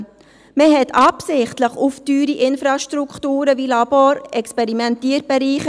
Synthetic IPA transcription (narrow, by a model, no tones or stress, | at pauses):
məɦɛtʰɑpsɪχtləχuftyːɾiʔɪnfɾɑʃtɾukχtuːɾəvilɑboɾɛkspɛɾimɛntiːɾb̥ɛɾiːχə